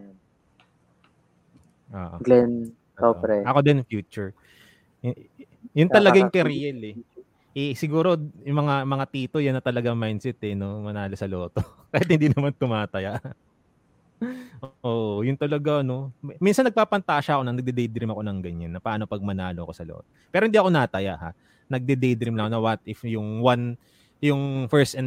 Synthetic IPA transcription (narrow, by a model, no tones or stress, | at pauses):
ʔo̰ːʔoɡlɛn | oɾɛɐkod̪ɛnfjuːt͡ʃʊɹ | jʊnɐlɐajʊŋkɛɾijɐlɛ | ʔɛsɪɡuːɾo̞jʊŋmɐŋamɐŋat̪iːt̪o̞jɐnːɐt̪ɐlɐɡaŋmajnsɛt̪ɛno̞mɐnaːlosɐlo̞ːt̪o | kɐhɪt̪hɪnd̪inɐmant̪ʊmaːt̪ɐjaʔ | ʔoʔoːʔjʊŋt̪ɐlɐɡaɐno̞minsɐnːɐɡ̚paːpɐnt̪ɐʔɐʃaɐkoɐŋnɐɡ̚d̪ɛd̪ɛjd̪ɾɪmɐko̞nɐŋɡɐɲanːɐpaʔanopɐɡ̚mɐnaːloʔɐko̞sɐlo̰ːt̪opɛːɾoɪnd̪iːɐko̞naːt̪ɐja̰ʔha̰ʔ | nɐɡ̚d̪ɛd̪ɛjd̪ɾɪmlɐŋkonɐwɐt̪ʔɪfjʊŋwan | jʊŋfɛɹst̪ɛn